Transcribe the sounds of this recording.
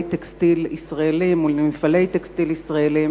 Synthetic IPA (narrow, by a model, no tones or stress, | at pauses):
jt̪ekst̪ilisʁaelimulmifalejt̪ekst̪ilisʁaelim